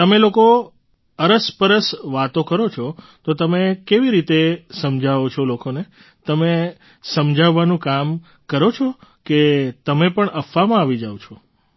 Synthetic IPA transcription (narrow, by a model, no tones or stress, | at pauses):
t̪əmeloko | əɾəspəɾəsʋat̪okəɾot͡ʃʰɔ | t̪ot̪əmekeʋiɾit̪esəmd͡ʒʱaot͡ʃʰɔlokone | t̪əme | səmd͡ʒʱaʋːanũkam | kəɾot͡ʃʰɔket̪əmepəɳəfːamãaʋid͡ʒaʋot͡ʃʰɔ